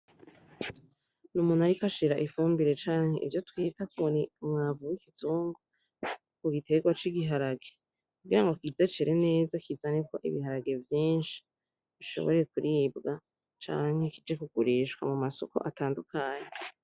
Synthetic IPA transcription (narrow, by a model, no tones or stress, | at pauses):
numunhajikaʃiɾaʔifuːmbiɾe̞t͡ʃaːŋhe̞̰ʔḭvjotwiːtakniumŋaːvuwikituːŋɡo | kuɡite̞ɡwat͡ʃiɡiɦaɾaɡe | kuɡiɾaŋɡokiːzet͡ʃeɾene̞ːzakizaneko̞ʔḭβiɦaɾaɡe̞vjiːnʃi̥ | βiʃo̞̰βoɾe̞kuɾʔiːbɡa | t͡ʃa̰ːŋ̥hekid͡ʒekuɡ̥uɾiːʃɡwa̰mumaso̞̰ko̞̰ʔataːndukʰaːɲe